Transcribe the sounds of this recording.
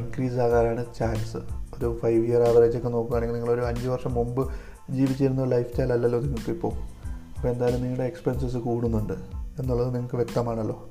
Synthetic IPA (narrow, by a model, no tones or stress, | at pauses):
iŋkɾiːs̬aːɣaːɾaːɳɨt͡ɕaːnsɨ̰o̞ɾufɐjʋijɐraːʋɐɾɐt͡ɕːo̞kːeno̞ːkːuɣaːɳeŋɡilniŋːɐɭo̞ɾuɐɲd͡ʑɨʋɐrʂɐmːumbɨ | d͡ʑiːʋit͡ɕːiiɾunːɐɾlɐjft͡ɕaːjlɐlːɐlːo̞ːniŋːɐɭkːipːoːɐpːoːe̞nd̪aːjɐlumniŋːɐɭɽeekspenses̬ɨkuːɽunːuɳɖɨe̞nːuɭːɐðɨniŋːɐkːɨʋjek̚t̪ɐmaːɳɐlːo̞ː